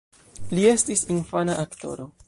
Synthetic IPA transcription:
lie̞stisinfanaʔakto̞̰ɾo̞

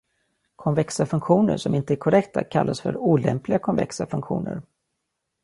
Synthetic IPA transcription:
kʰɔnvɛksafɵŋkɧuːnə̰ʂɔmɪnt̪əæɾkʰɔɾɛkt̪a̰kʰalːasfœɾuːlɛ̰mplɪɡakʰɔnvɛ̰ksafɵŋkɧṵːnə̰ɾ

